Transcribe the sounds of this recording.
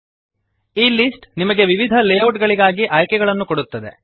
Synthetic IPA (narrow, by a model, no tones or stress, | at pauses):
iːlisʈnimɐɡe̞ʋiʋid̪ʱɐleːɐʈɡɐɭiɡaːɡiʔɐːjkɛɡɐɭɐnːukoɽut̪ːɐd̪e̞̰